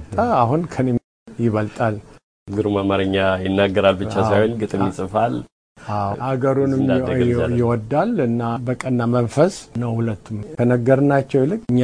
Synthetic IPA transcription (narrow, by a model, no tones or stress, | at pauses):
t̪ʼaaɦunkʰəne | jɪβəlt̪ʼal | ɡɨɾumamaɾəɲːajɪnːaɡːəɾalbɨt͡ʃːasajhonɡɨt̪ʼɨmjɪsʼɨfal | ʔawhaɡəɾunɨmjɪwɔd̪ːalɨnːabəkʼənːamənfəsnəwhulət̪ːumkʰənəɡːəɾɨnːat͡ʃːɛwlɨkʼɨɲː